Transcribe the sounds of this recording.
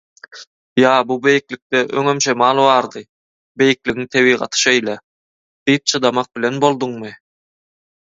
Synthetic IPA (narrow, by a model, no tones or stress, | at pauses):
jɑːbube̞jiklik̚t̪eʔø̰ŋømt͡ʃʰemɑːlˠβɑːɾd̪ɯ | be̞jiklʲiɣiŋt̪ʰeβiːʁɑ̰t̪ʰɯ̥ʃejle | d̪̥ijp̚t͡ʃʰɯd̪ɑmɑq̚bilʲe̞nbo̞lˠd̪uɴmɯ